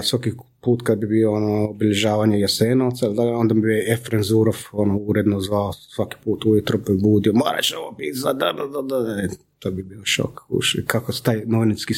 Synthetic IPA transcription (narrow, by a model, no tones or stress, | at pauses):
sʋaki | puːt̪kad̪̚bibioonoːbiʎeʒaːʋaːɲejaseːnoːt̪saild̪aɡo̞nd̪amibioefɾenzuɾofonouɾed̪nozʋaosʋaki̥puːt̪uit̪ɾopbuːd̪iomoːɾa̰t͡ʃeoʋopit̪zad̪ad̪ad̪ad̪a | t̪oːbibiːoʃo̰kṵʃkakost̪aːjnoʋiniski